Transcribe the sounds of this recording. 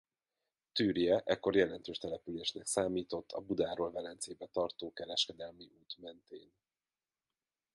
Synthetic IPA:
t̪yːrjɛʔɛkːo̞rjɛlɛnt̪øːʃt̪ɛlɛpyleːʃnɛksaːmiːt̪o̞t̪ʰːɒ̰bud̪aːɾoːlvɛlɛnt̪seːbɛt̪ɒrt̪oːkɛɾɛʃkɛd̪ɛlmiʔuːt̪mɛnt̪eːn

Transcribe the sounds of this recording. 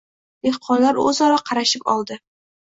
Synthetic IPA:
d̪̥eqʰɒnlaɾɵ̰zɒɾɒqʰɑɾaʃɪpɒ̰lˠd̪ɪ

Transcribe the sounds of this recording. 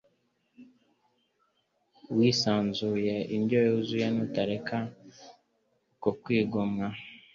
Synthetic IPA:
wiːsaːnzujeiɲdojozujenutaɾekʰa | kokwiːɡomŋa

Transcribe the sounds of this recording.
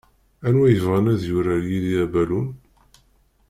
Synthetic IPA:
ænwæjəvʁænæðjʊɾæɾjiðiæbælun

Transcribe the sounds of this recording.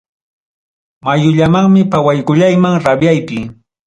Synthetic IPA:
majʊʎamaŋmɪpawajkʊʎajmaŋɾabjajpɪ

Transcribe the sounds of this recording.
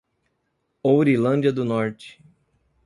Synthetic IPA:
owɾilɐ̃d͡ʒiɐd̪ʊnɔɾt͡ʃɪ̥

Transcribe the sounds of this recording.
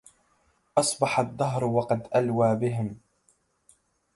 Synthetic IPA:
ʔɑsˤbɑħad̪ˤːɑɦɾwɑqɑd̪ʔalwaːbɪɦɪm

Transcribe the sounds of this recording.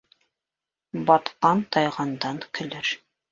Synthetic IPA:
bɑt̪qɑnt̪ɑjʁɑnd̪ɑŋkɘ̆lɘɾ

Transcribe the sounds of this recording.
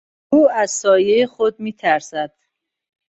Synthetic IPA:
uːæzsɒːjejeχod̪̚miːt̪ʰæɾsæd̪̥

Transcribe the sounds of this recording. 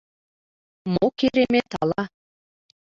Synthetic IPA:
mokeɾemet̪ɑlɑ

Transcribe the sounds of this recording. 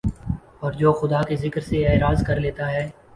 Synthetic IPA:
ɔːɾd͡ʒoːxʊd̪aːkezɪkɾseɛːɾaːzkɐɾleːt̪aɦɛː

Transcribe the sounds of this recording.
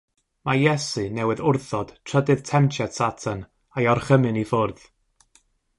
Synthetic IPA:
majɛsɨnɛwɨðʊrθɔd̥tʰr̥ədɨð̥tʰɛmtʰjadsatʰan | ajɔrχəmɨnifʊrð̥

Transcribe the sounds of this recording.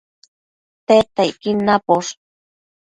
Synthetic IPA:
t̪et̪ajkinapoʂ

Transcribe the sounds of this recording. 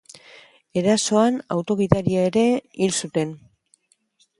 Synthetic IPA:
e̞ɾaso̞ana̰wt̪o̞ɣiðaɾiae̞ɾe̞ilsut̪e̞n

